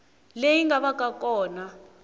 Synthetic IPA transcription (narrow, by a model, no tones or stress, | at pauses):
lejiŋɡaɓak̬ʼak̬ʼɔːna